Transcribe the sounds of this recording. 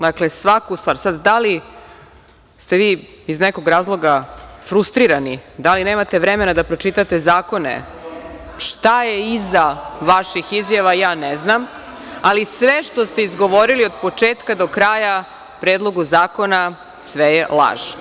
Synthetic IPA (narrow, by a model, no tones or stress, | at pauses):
d̪aklesʋakust̪vaːɾsad̪d̪ali | st̪eʋiːizneko̞ɡɾaːzlˠo̞ɡafɾust̪ɾiɾanid̪alineːmat̪e̞ʋɾemenad̪apɾo̞t͡ʂit̪at̪e̞zaːko̞nḛ | ʃt̪ajeizaʋaʃixizjaʋajaːneznam | alisʋeʃt̪o̞st̪e̞izɡoʋoɾilio̞d̪po̞t͡ʂeːt̪kad̪o̞kɾaːja | pɾeːd̪lˠo̞ɡuzaːko̞na | sʋejelˠa̰ːʒ